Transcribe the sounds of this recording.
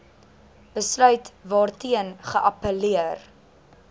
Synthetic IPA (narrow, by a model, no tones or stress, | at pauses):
b̥əslœɥtvɑːrtiənχəʔɐpəliər